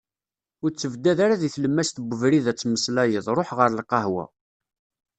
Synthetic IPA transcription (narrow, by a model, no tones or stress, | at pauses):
ʊɾt͡sːəvd̪æðaɾaðiθləmːæst̪bʷəvɾiðæt͡sːməslæjəðˤɾˤoħʁəɾlqɑhwæ̰